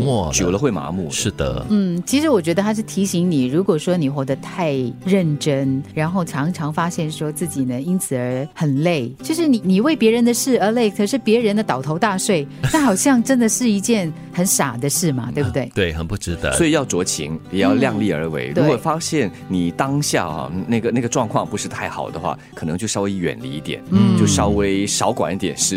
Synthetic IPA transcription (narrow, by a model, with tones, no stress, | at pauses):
ɔ˥˩t͡ɕjo˨˩ʊlə˦xwe˥˩ɪma̰˧˥mṵ˥˩ʂɻ̩˥˩d̪ə̰˩˨˩n̩˥˩t͡ɕʰi˧˥ʂɻ̩˧˥wɔ˨˩t͡ɕɥɛ˧˥d̪ə˧t̪ʰa˥ʂ̬̩˥˩t̪ʰi˧˥ɕi˧˥ŋni˨˩ɻu˧˥kwɔ˨˩ʂwɔ˥ni˨˩xwɔ˧˥d̪ə˧t̪ʰa˥˧ɪɻə˥˩nʈ͡ʂə˥nɻa˧˥nxo˥˩ʊʈ͡ʂʰɑ˧˥ŋʈ͡ʂʰɑ˧˥ŋfa˥ɕjɛ˥˩nʂwɔ˥t͡sɹ̩˥˩t͡ɕi˨˩nə˦i˥nt͡sʰɹ̩˨˩ə˞˧˥xə˨˩nle˥˩ɪt͡ɕjo˥˧ʊʂɻ̩˥˧ni˨˩ni˨˩we˥˩ɪpjɛ˧˥ɻə˧˥nd̪ə˨ʂɻ̩˥˩ə˞˧˥le˥˩ɪkʰə˨˩ʂɻ̩˥˩pjɛ˧˥ɻə˧˥nd̪ə˧˨t̪ɑ˨˩ʊt̪ʰo˧˥ʊt̪a˥˧swe˥˩ɪa˥˩xɑ˨˩ʊɕjɑ˥˧ŋʈ͡ʂə˦˥nd̪ə˨ʂɻ̩˥˩˧i˧˥t͡ɕjɛ˥˩n | xə˧˥nʂa˨˩d̪ə˦ʂɻ̩˥˩mɐ˩t̪we˥˧bu˧t̪we˥˩ɪt̪we˥˩ɪxə˨˩npu˥˩ʈ͡ʂɻ̩˥d̪ə̰˧sɔ˧˥i˨˩jɑ˥˩ʊt͡swɔ˧˥t͡ɕʰḭ˧˥ŋjɛ˨˩jɑ˥˧ʊljɑ˥˧ŋli˥˩ə̰˞˧˥wḛ˧˥ɪɻuwkwɔ˨˩fa˥ɕjɛ˥˩n | ni˨˩t̪ɑ˥ŋɕja̰˥˧ɐ̰˨˩na˥˩ɡə˩na˥˩ɡə˩ʈ͡ʂwɑ˥˧ŋkʰwɑ˥˩ŋpu˧˥ʂɻ̩˥˧t̪ʰa˥˩ɪxɑ̰˨˩ʊd̪ə˦xwa̰˥˩kʰɤ˨˩ɤ̰˧˥ŋt͡ɕjo˥˧ʊʂɑ˥we˧˥ɪɥɛ̰˨˩nlḭ˧˥i˥˩t̪jɛ̰˨˩˦nn̩˥t͡ɕjo˥˩ʊʂɑ˥ʊwe˥ɪʂɑ˧˥ʊkwa̰˨˩ni˥˩t̪jɛ̰˨˩nʂɻ̩˥˧